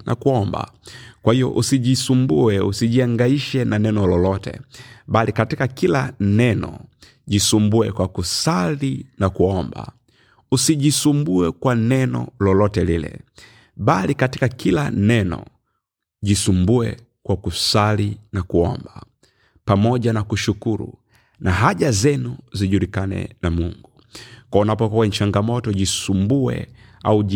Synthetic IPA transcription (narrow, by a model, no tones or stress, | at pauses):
nʔa̰kuɔmba̰kwahijɔ̰ʔusiɟisumbuɛusiɟiaŋɡaiʃɛnanɛnɔlɔlɔtɛ̰balikatikakilanɛnɔ̰ | ɟisumbuɛkwakusalinakuɔmba̰ | usiɟisumbuɛkwanɛnɔ̰lɔlɔtɛlilɛ̰ | balikatikakilanɛnɔ̰ | ɟisumbuɛ | kwakusalinakuɔmba | pamɔɟanakuʃukuɾṵ | naɦaʄazɛnuziɟulikanɛ̰namuŋɡu | kwaunapɔkɔwɛɲt͡ʃaŋɡamɔtɔɟisumbuɛ̰ | au